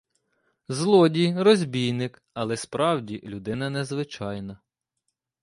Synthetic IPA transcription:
zlˠɔdʲijrɔzʲbʲijnɪk | ɐlˠɛspɾɑwdʲilʲʊd̪ɪnɐnezʋɪt͡ʃɑjnɐ

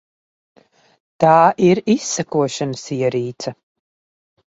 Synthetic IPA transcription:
t̪aːʔiɾisːakuɔʃanəsiɛɾiːt̪sɐ

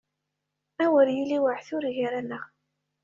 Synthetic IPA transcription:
æwəɾjiliwəʕθʊɾʝɾænəʁ

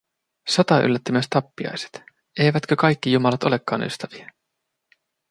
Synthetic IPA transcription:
sot̪ɑʔy̰lːæt̪ːymyøst̪ɑpːiɑ̰jse̥t̪ | e̞jʋæt̪k̟økɑjkːijumɑlɑt̪o̞le̞kːɑːny̰st̪æʋiæ

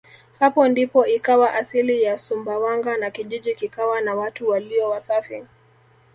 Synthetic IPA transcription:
hapɔndipɔikawaʔasilijasumbawaŋɡanakiʄiʄikikawanawatuwaliɔwasafi

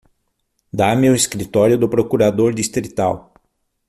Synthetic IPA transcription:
d̪amɪʊeskɾit̪ɔɾjʊd̪ʊpɾokuɾad̪oɾd̪ist̪ɾit̪aw

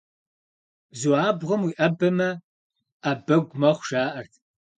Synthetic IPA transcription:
zuaːbʁɐmwiːʔɐbɐmɐ | abɐɡʷmɐχʷʃaːʔɐrtʰ

